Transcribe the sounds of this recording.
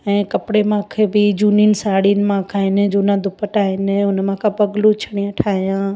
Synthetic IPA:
ɛ̃ːkɐpɪɽemãkʰebɪd͡ʑuːninɪ̆saːɽinɪ̆mãkʰaːɦɪnɪ̆d͡ʑuːnãd̪ʱʊpəʈaːɦɪnɪ̆ʊnmãkʰãpɐɡlut͡ɕʰɐɽ̃iãʈʰaːɦijãː

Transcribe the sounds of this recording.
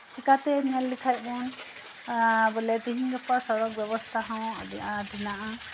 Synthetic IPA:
t͡ʃikat̪ɛɲɛlːikʰajbɔn | bɔlɛt̪iɦiŋɡɛpasɔɾɔk̚bjɛbɔst̪ʰaɦãw̰̃d̪iʔãʈʰinaʔa

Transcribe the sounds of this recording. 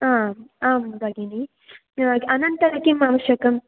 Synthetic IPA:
aːaːmbʱɐɡini | ɐnɐnt̪ɐɾɐkimaʋɐʃjɐkɐm

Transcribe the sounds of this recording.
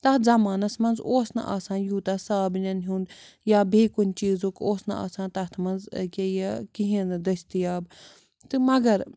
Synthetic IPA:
t̪ɐzɐmaːnɐsmɐnzoːsnɐ̰ʔa̰ːsãːnjuːt̪ɐsaːbnʲɐnɦuːnd̪ | jaːbʱiːkunʲt͡ʃiːzoːkoːsnɐ̰a̰ːsãːnt̪ɐt̪ʰmɐnzkʲejɐkiɦĩnɨd̪ɐsʲt̪ijaːb | t̪ɨmɐɡɐɾ

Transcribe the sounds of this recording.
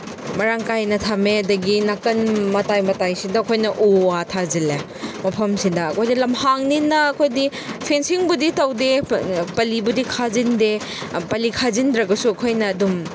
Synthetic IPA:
mɐɾaŋkajnɐtʰameɐdɐɡinakɐnmɐtajmɐtajsidɐɐkʰojnɐʔuatʰazile | mɐpʰɐmsidɐːkʰojdilɐmhaŋninɐːkʰojdi | pʰensiŋbuditɐwdepɐlibudikʰazinde | pɐlikʰazindɾɐɡɐsuɐkʰojnɐːdum

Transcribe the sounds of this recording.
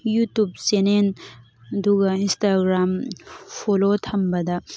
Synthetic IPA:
jutup̚senen | ɐduɡɐinstaɡɾampʰolotʰɐmbɐdɐ

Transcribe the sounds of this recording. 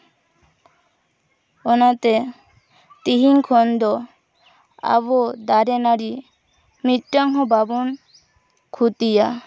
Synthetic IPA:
ɔnat̪ɛ | t̪iɦiŋkʰɔnd̪ɔ | a̰βɔd̪aɾɛnaɽi | mit̪ʈaŋɦɔbabɔn | kʰut̪ija

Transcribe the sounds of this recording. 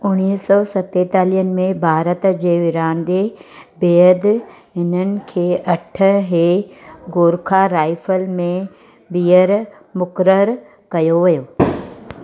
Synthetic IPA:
ʊñiːɦsɔːsɐt̪et̪aːliɦənɪ̆mẽbʱaːɾət̪d͡ʑeːʋɪɾãːnd̪ebeːəd̪ɦɪnənɪ̆kʰeːʔɐʈʰə̆ɦeːɡoːɾkʰaɾaːɪfəlmẽ | biːəɾ | mʊkɾəɾ | kɐjoʋɐjoː

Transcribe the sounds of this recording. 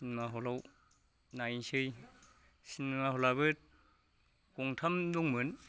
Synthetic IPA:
inmaɦɔlaw | najnsɯj | sinmahɔlaβɯt̚ | kɔŋtʰamduŋmɯn

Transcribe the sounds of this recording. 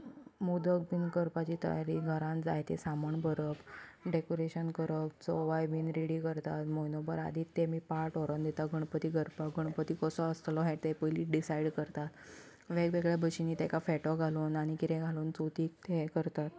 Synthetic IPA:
mud̪ək̚bʱinɡəɾpat͡ɕiːt̪ə̰jaɾiːɡʱəɾãnd͡za̰jt̪ḛsaməɳbəɾəpɖekoɾeɕənkəɾəp̚t͡sɔʋajbʱiːnɾiɽiːkəɾt̪at̪mojnobəɾa̰d̪ʱiːt̪ːemiːpaʈɔɾənd̪et̪aɡʱəɳ̃pət̪iːɡʱəɾpaɡʱəɳ̃pət̪iːkəsɔəst̪lɔɦɛ̃t̪epəjliʈɖisaiɖkəɾt̪at̪ | ʋekʋeɡɭjabʱəɕiniːt̪ɛkafɛʈɔɡʱaluːnaɽ̃ikit̪ẽɡʱaluːnt͡sot̪iːk̚t̪ekəɾt̪at̪

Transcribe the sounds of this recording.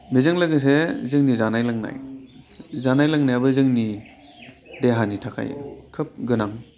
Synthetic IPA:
bizɯŋlɯɡɯs̬ezɯŋnizanajlaŋna̰j | zanajlaŋnajabɯzɯŋni | deɦanitʰakʰa̰jḛkʰɯp̚ɡɯnaŋ

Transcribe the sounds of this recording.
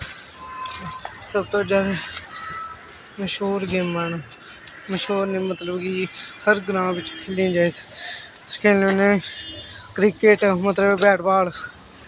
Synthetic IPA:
səbt̪õːd͡ʒaːɾe | məʃoːɾɡeːaːnː | məʃoːɾneːmət̪ləbkihəɾɡɾãːʋɪt͡ʃkʰeːlĩːd͡ʒaːeːs | skʰeːlõːnẽː | kɾɪkeːʈmət̪ləbbɛːʈbaːl

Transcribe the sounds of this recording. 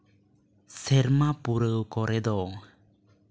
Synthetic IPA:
sɛɾmapuɾəwkɔɾɛd̪ɔ

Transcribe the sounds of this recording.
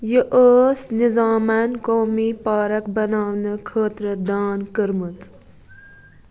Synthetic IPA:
jəʔəːsnizaːmankoːmipaːɾɐkbɐnaːwnɨkʰəːt̪ɾəd̪aːnkəɾmət͡s

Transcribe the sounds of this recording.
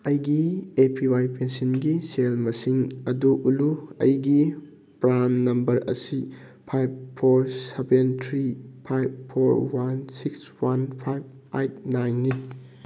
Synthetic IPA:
ɐjɡiepʰiwajpensinɡiselmɐsiŋɐduʔːluɐ̰jɡi | pɾanːɐmbɐɾɐ̰si | pʰajb̚pʰoɾsebentʰɾipʰajb̚pʰːoɾwansikswanpʰajb̚ | ajt̚najnːi

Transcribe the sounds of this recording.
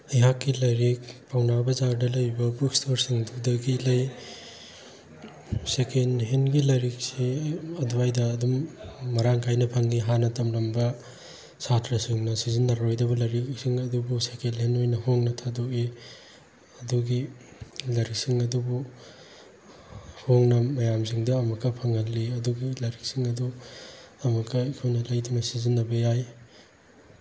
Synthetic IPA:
ɐjɦakːilɐjɾik̚pʰawnabɐzaɾdɐlɐjibɐbuk̚stʰoɾsiŋdudɐɡilɐj | sekenɦenɡilɐjɾik̚siɐduajdɐːdumːɐɾaŋkʰajnɐpʰɐŋiɦanɐtɐmlɐmbɐ | satʰɾɐsiŋnɐsizinːaɾɾojdɐβɐlɐɾiksiŋɐdubusekʰelɦenojnɐhoŋnɐtʰadoʔi | ɐduɡi | lɐɾik̚siŋɐdubu | hoŋnɐmɐjamziŋdɐːmɐkːɐpʰɐŋɐlːiɐduɡilɐɾik̚siŋɐdu | ɐmɐkʰɐikʰojnɐlɐjdinɐsizinːɐbɐjaj

